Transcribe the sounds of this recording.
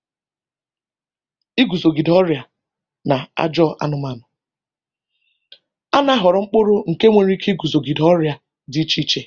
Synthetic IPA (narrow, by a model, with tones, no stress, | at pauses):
i˦ɡu˨zo˨ɡi˨dɔ˦ɾja˨ | na˨a̰˦d͡ʒɔ˦ʔa̰˦nʊ˨ma˨nʊ˨ | a˦na˦ɦɔ˨ɾɔ˨ŋ͡m̩˦k͡po˦ɾo˦ŋ̩˨ke˦ŋʷe˨ɾi˦ki˦ɡu˨zo˨ɡi˨dɔ˦ɾja˨ | dɪ˦t͡ʃi˦t͡ʃe˨